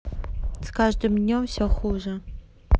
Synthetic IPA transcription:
skaʒd̪ɨmnʲomsʲoxuʒɐ

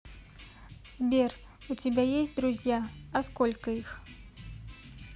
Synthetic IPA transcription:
z̥ʲbʲɛr | ut͡sʲibʲɛjesʲtʲd̪ɾuzʲjaɐskɔlʲkɐix

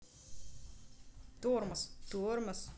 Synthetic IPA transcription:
t̪uːɾmɐst̪uɾmɐs

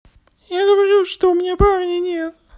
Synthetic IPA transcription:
jaɡəvɐɾʲuʂt̪oʊmʲɪnʲaparʲnʲɪnʲet̪

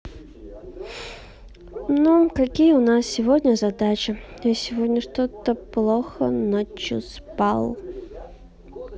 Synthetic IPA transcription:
nukɐkʲijəʊnasːʲɪvodʲnʲəzɐd̪at͡ɕɪasʲɪvodʲnʲəʂt̪ot̪əplˠoxənət͡ɕʊ̰spalˠ

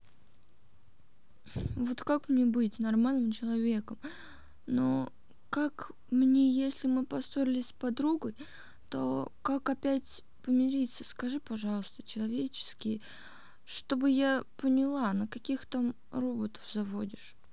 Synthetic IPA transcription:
vo̞t̪kakmnʲebɨtʲnɐrmalʲnɨmt͡ɕɪlˠɐvʲe̞kəm | no | kak | mnʲejesʲlʲɪmɨpɐso̞ɾʲɪlʲɪsʲpɐd̪ɾuɡʊj | t̪o̞̰kakɐpʲætʲ | pəmʲɪɾʲit̪səskɐʐɨpɐʐɑlˠəst̪ət͡ɕɪlˠɐvʲet͡ɕɪ̥skʲɪj | ʂt̪o̞bɨjapənʲɪlˠanəkɐkʲixt̪am | ro̞bət̪ə̥fzɐvodʲɪʂ

